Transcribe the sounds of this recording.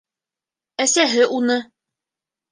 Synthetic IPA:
æsæɦɘʔunɤ

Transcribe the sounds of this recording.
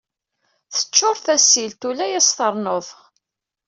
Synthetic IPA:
θə̥t͡ʃːoɾˤθæsːilt̪ulæjæsθəɾˤnoðˤ

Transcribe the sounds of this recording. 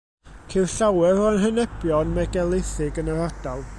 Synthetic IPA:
kʰerɬawɛɾɔənɦənɛbjɔnmɛɡɛlˠɪθɪɡənəɾad̥alˠ

